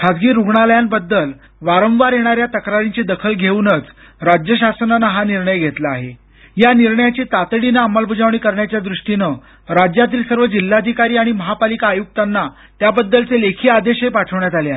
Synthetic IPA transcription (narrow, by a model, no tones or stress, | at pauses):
kʰad͡zɡiːɾuɡɳaljanbəd̪ːəl | ʋaɾə̃ʋaɾjeɽ̃aɾjat̪əkɾaɾiɲt͡ɕed̪əkʰəlɡʱeunət͡s | ɾad͡ʑjəɕasənanaɦaniɾɳəjɡʱet̪laaɦe | janiɾɳəjat͡ɕiːt̪at̪ɽinaːmalbʱud͡zaʋɳ̃iːkəɾɳjat͡ɕjad̪ɾuʂʈinə | ɾad͡ʑjat̪̬iːlsəɾʋəd͡ʑilːad̪ʱikaɾiːaɽ̃iməɦapalikaːjuk̚t̪anːa | t̪jabəd̪ːəlt͡selekʰiːad̪eɕɦepaʈʰəʋɳjat̪aleaɦe